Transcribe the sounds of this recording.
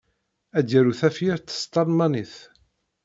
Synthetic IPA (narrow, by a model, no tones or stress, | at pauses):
æd̪əɾuθæfjəɾt̪ːst̪ɑɾmɑniθ